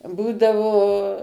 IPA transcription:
ˈbuːdɐʋoː

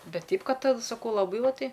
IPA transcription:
ˈbʲɛt ˈtʲɛɪp ˈkɐt sɐˈkɐʊ lˠɐˈbɐɪ ˈʋɐ ˈtɐɪ

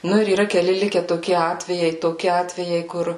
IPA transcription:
ˈnʊ ɪr iːˈrɐ kʲɛˈlʲɪ ˈlʲɪkʲɛ toːˈkʲɪ ˈɑːtʲʋʲɛjɛɪ toːˈkʲɪ ˈɑːtʲʋʲɛjɛɪ ˈkʊr

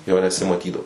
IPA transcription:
ˈjoː nʲɛsʲɪmɐˈtʲiːdɐʊ

